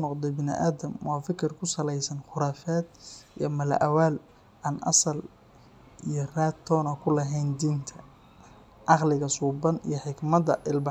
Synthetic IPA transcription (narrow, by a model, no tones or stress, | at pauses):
nɔqd̪ɛbɪnɪ̰ʔaːd̪ɐmwɑːfɪkʰɪrkʰʊsɐlɛjsɐnχʊɾaːfaːd̪ijɔmɐlɐ̰ʔɐwaːl | ʔanʔɑ̰sɐl | ijɞraːt̪ʰːɔːnɐkʰʊlɐɦɛjnd̪iːnt̪ʰɐ | ʔɑqlɪɣɐsuːbɐnḭjɞħɪɡmɐdɐʔɪlb